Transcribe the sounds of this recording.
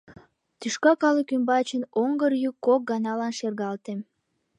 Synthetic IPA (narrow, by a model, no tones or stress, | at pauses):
t̪yʃkɑkɑləkymbɑt͡ɕənoŋɡərjykːok̚ɡɑnɑlɑnʃerɣɑlt̪em